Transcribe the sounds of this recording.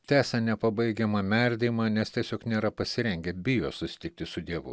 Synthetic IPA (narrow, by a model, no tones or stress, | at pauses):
t̪ʲæːsʲɐnʲɛpɐbɐɪɡʲɛmɐmʲɛɾʲd̪ʲeːmɑːnʲɛst̪ʲiɛsʲoːknʲeːɾɐpɐsʲɪɾʲɛŋʲɡʲɛbʲɪjoːsʊsʲɪ̥t̪ʲɪk̚t̪ʲɪsʊd̪ʲiɛʋʊ̰